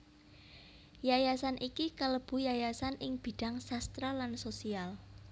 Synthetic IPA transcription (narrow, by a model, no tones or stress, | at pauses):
jajasanʔikikələb̥ṳjajasanɪŋb̥i̤d̥a̤ŋsast̪ɾalansosial